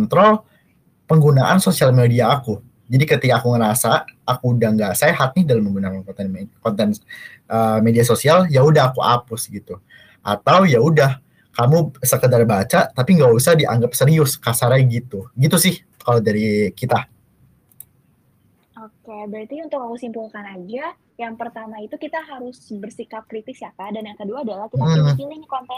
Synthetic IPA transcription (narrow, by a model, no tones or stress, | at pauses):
nt̪ɾɔl | pəŋɡunaʔansosialmediaːku | d͡ʒadikət̪ikaːkuŋəɾasaʔːkudaŋɡaʔseɦat̪̚nɪhdalaməŋɡunakankɔt̪ɛnkɔnt̪ɛn | ʔəmediasosialjaudaɦakua̰pʊsɡit̪u | ʔa̰t̪awjaudah | kamusəkədarbat͡ʃat̪apiŋɡausahdiʔa̰ŋɡap̚səɾiʊskasaɾajɡit̪uɡit̪usɪh | kalodaɾikit̪a | okebəɾat̪iunt̪ʊkakusimpulkanad͡ʒa | jaŋpərt̪amait̪ukit̪aɦaɾʊsbərsikap̚kɾit̪ɪsjakadanjaŋkəduaːdalaht͡ʃum̩inɪŋkɔnt̪ɛ